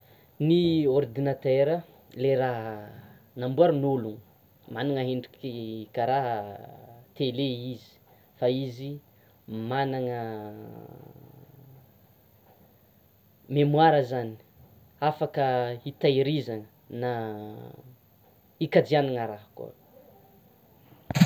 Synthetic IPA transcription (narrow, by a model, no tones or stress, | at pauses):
niɔrd̪inat̪ɛɾə | leɾaɦ | nambuaɾunuluŋ | manaŋəɦeɳɖ͡ʐikikaɾaɦ | t̪eleizi̥ | faizi | manaŋə | memwaɾəzani̥ | afakəit̪ajɾizaŋə | na | ikad͡ʒianiŋəɾaɦəkṵ